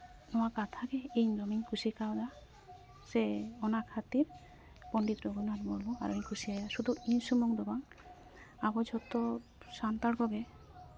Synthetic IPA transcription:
nɔakat̪ʰakeejnɾomiŋkʰusikawd̪a | seɔnakʰat̪iɾ | pɔɳɖit̪ɾoɡunaɾmɔɾbɔa̰ɾoeŋkʰusiajaʃud̪ʱuinsumuŋd̪ɔbaŋ | abɔd͡ʒʱɔt̪ːɔ | sant̪aɽkɔɡe

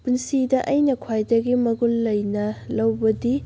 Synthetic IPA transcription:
punsidɐʔɐjnɐkʰwajdɐɡimɐɡulːɐjnɐlɐwbɐdi

